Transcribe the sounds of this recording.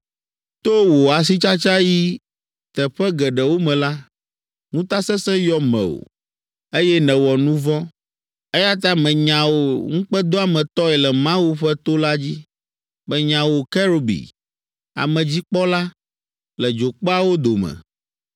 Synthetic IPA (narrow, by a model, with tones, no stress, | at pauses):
t̪o˦wo˨a˨s̬i˦t͡ʃa˦t͡ʃa˦ji˦ | t̪ɛ˨ɸɛ˦ɡɛ˨ɖɛ˨wo˦mɛ̃˨la˦ | ŋũ˦t̪a˦sɛ˦sɛ̃˦jɔ˦mɛ̰̃˨wo̰˨ | e˦jɛ˦nɛ̃˨wɔ˨nũ˦vɔ̃˦ | e˦ja˦t̪̬a˦mɛ̃˨ɲã˨wo˨ŋ̩̃˦k͡pɛ˦d̪o˦a˨mɛ̃˨t̪ɔ˦ɛ˨lɛ˨mã˦wu˦ɸɛ˦t̪o˦la˦d͡ʑi˦ | bɛ˦ɲã˨wo˨kɛ˦ɾo˨bḭ˨ | a̰˨mɛ̃˨d͡ʑi˦k͡pɔ˦la˦ | lɛ˨d͡ʒo˨k͡pɔ˦a˦wo˦d̪o˨mɛ̰̃˨